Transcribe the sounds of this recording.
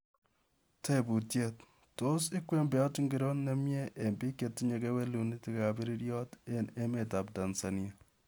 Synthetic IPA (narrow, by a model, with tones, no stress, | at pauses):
te˦bu˨tje˨t | to˦sɪ˦kwe˦mbɛ˨jɔ˦tŋɡi˦ɾo˦nnːe˦mjɛ˦ʔe˨mbi˦ke˨tːi˦ɲe˨ke˦we˦lu˨ni˦tka˨bi˦ɾi˦ɾjɔ˦te˦ne˦me˨ta˨p̚da˨nsa˨nja˨